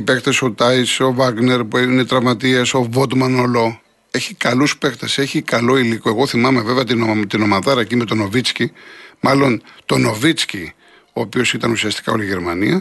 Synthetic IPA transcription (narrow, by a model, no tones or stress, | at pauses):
pe̞kt̪eso̞t̪ɐjso̞vɐɡne̞ɾpuinet̪ɾɐvmɐt̪iɐso̞vot̪mɐnolo̞ | e̞çikɐluspe̞kt̪ese̞çikɐlo̞iliko̞e̞ɣo̞θimɐme̞ve̞veɐt̪inot̪ino̞mɐðɐɾɐcime̞t̪o̞no̞vit͡scimɐlo̞nt̪o̞no̞vit͡sci | o̞ːpio̞sit̪ɐnusiɐst̪i̥kɐo̞̰liʝe̞ɾmɐniɐ